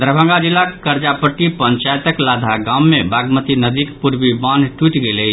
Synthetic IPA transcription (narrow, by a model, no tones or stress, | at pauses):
d̪əɾbʱə̃ŋɡad͡ʒilːakkəɾd͡ʒapəʈːipəɲt͡ʃajt̪əklad̪ʱaɡãmːebaɡmət̪inəd̪ikpuɾbibanʈuʈɡeləɪt͡ʃʰ